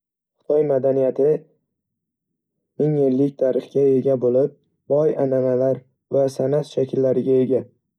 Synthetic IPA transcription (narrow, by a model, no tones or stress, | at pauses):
χɨ̥t̪ʰɒjmad̪anijat̪ʰɪ | eŋenlɪk̚ʲt̪ʰaɾɨχkʲae̞ɡʲabolɪp̚ | bɒjanamalaɾ | vasanasʃakʲʰɪlːaɾɪɡʲae̞ɡʲa